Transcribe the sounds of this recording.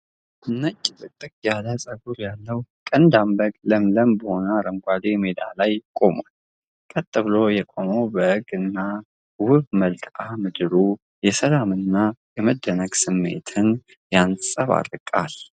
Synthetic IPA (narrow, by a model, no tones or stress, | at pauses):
ɨnːət͡ʃʼːɪt̪ʼɨt̪ʼːɨkʼjaləsʼəɡuɾjalːəwkʼənd̪ambəɡʼləmləmbəho̞naɾəŋɡʷad̪emed̪a̰lajkʼo̞mal | kʼət̪ʼːɨβlo̞jɛkʼo̞mowbəʔɨɡɨnːa | wʊβməlkʼamɨd̪ɨɾu | jɛsəlamɨnːajɛməd̪ːənəɡsɨmːḛt̪ʰɨn | jansʼəβa̰ɾɨkʼa̰l